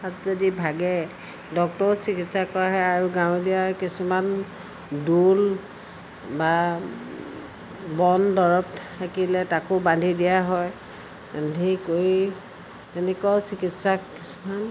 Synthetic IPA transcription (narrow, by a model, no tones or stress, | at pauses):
atzodibʱaɡɛ | dɔk̚tɔɹsikitsakɔɹaɦɛaɹuɡaʊdiaɹkisuman | dul | ba | bɔndɔɹɔptʰ | akilɛtakobandʱidijaɦɔj | andʱikoɹi | tɛnɛkɔsikitsakisu̥man